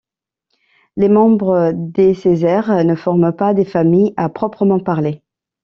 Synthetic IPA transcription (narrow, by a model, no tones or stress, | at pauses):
lemɑ̃bʁəd̪esezɛʁnəfɔʁməpad̪efamijapχɔpχəmɑ̃paʁle